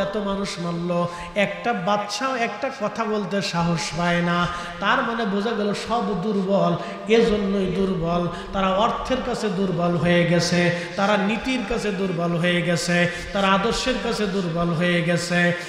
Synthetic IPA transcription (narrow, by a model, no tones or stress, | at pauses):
ɛt̪omanuʃmalːo | ɛk̚ʈabat̪ːʃaoɛk̚ʈakɔt̪ʰabolt̪̬eʃaɦoʃbaena | t̪aɾmanebod͡ʑʱaɡɛloʃɔbd̪uɾbɔl | ed͡ʑonːojd̪uɾbɔl | t̪aɾaɔɾt̪ʰeɾkat͡ɕʰed̪uɾbɔlɦojeɡɛt͡ɕʰet̪aɾanit̪iɾkat͡ɕʰed̪uɾbɔlɦojeɡɛt͡ɕʰe | t̪aɾaad̪oɾʃeɾkat͡ɕʰed̪uɾbɔlɦojeɡɛt͡ɕʰe